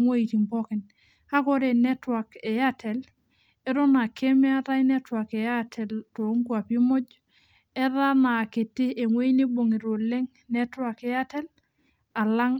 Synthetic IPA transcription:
ŋwe˦i˨ti˨ŋpɔ˦kɪ˨n | ha˦kɔ˦ɾe˨nɛ˦twa˨kɛ˨ja˦tʰɛ˨l | e˦ɾɔ˦na˨kʰe˦me˦a˦ta˦jnɛ˦twa˨ke˨ja˦tʰɛ˨lto˨˦ŋkua˨pi˦mɔ˦d͡ʒ | ɛ˦ða˦na˨ke˨tɪ˦e˨ŋwe˦i˦ni˦bo˨ŋi˨ɾo˨le˦ŋ | nɛ˦twa˨ke˨ja˦tɛ˦l | a˨la˦ŋ

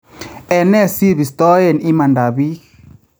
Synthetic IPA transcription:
ɛ˨nɛ˦si˦βi˨st̪ɔ˦je˨ni˦ma˨nda˨βi˦

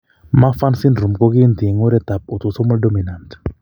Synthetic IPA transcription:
ma˦fa˦nsi˦ndɾu˨mkɔ˦ki˦nti˨e˨ŋo˦ɾɛ˦ta˨p̚o˨to˨so˦mɔ˦ldo˦mi˨na˨nt

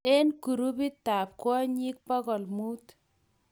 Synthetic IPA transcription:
e˦nku˨ɾu˦pi˦t̪ːa˨p̚kwɔ˦ɲi˦k̚pɔ˦kɔ˨lmu˦t̪

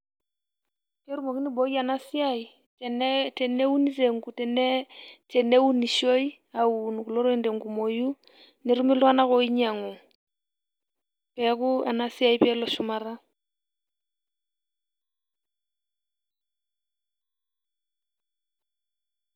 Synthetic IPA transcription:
ke˦ɾu˦mo˨ki˦nɪ˦bo˨˦ja˨nasɪ˦ai˨ | tɛ˨ne˦u˦ni˦se˨ŋku˨tɛ˨ntɛ˨ne˦u˦ni˨ʃo˦i˦ | a˨u˨n˨ku˨lo˦ɾo˦i˦nde˨ŋɡu˨mo˨ju˦ | nɪ˨ɾu˦mɪ˦lwa˦na˦kɔ˦i˦ɲa˨ŋo˨ | pɛ˦kʊ˦a̰˨nasɪ˦a˨i˦pɛ˦lɔ˨ʃʊ˦ma˨ɾa˦

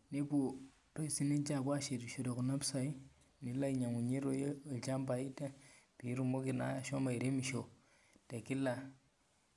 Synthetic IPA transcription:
ni˦ku˨ | to˦i˨si˦ne˦ɲt͡ʃa˦˨kwa˦ʃe˨ɾi˨ʃo˨ɾe˨ku˨na˦psa˦i˦ | ni˨˦la˦i˨ɲa˨ŋu˨ɲi˦ɾo˦je˦˨t͡ʃa˦mba˨i˦te˦pi˨˦ɾu˦mo˦ki˨na̰˦a˨ʃo˦ma˨i˨ɾe˦mi˨ʃo˨ | te˨ki˦la˨

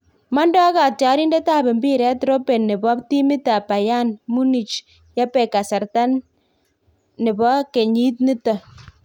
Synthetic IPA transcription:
ma˦ndɔ˦ka˨ta˨˦ɾi˦nde˦ta˦˨be˨mbi˦˨ɾɛ˦tɾo˦pe˨nːɪ˨bɔ˦pti˦mi˦ta˨pa˨ja˦˨nmu˦ni˨t͡ʃ | ja˦pɛ˨ka˨sa˨ɾta˦n | ɪ˨bɔ˦ke˨ɲi˦t̚ni˦tɔ˨

